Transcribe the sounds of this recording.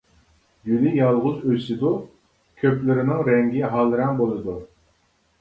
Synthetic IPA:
jylɪjɑlˠʁʊzøsɪd̪u | kʲʰøplɪɾɪnɪŋɾɛŋɡʲiɦɑlˠɾɛŋbolˠɨd̪u

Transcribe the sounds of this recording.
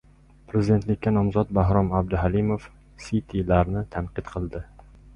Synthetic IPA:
pʰɾezid̪e̞nt̪lɪkʲːanɒmzɒt̪̚baɦɾɒmabd̪ʊɦalimof | sit̪ʰilaɾnɪt̪ʰanqɨt̪qʰɨlˠd̪ɪ

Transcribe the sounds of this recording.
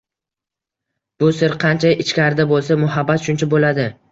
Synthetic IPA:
b̥ʊsɪɾqʰɑnt͡ʃʰaɪt͡ʃkʲaɾɪd̪abolˠsamʊɦabːat̪ʃʊnt͡ʃʰabolad̪ɪ

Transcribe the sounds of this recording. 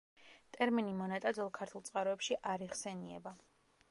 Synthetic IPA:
t̪ʼɛɾminimɔnat̪ʼad̪zɛlˠkʰaɾt̪ʰulˠtsʼqʼaɾɔɛpʃiʔaɾiʁsɛniɛ̰ba

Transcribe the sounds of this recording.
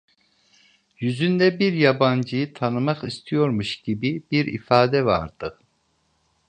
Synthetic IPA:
jyzynd̪ɛbiɾjaband͡ʒɯjɯt̪ʰanɯmaqist̪ʰijo̞ɾmuʃɟibibiɾḭfaːd̪ɛva̰ɾd̪̥ɯ

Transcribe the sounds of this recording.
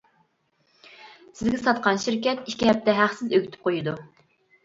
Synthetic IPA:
sɪzɡʲɛsɑt̪̚qɑnʃiɾkʲɛt̪ikʲiɦɛp̚t̪ɛɦæχsɪzøɡʲyt̪ʰy̥p̚qʰojud̪u

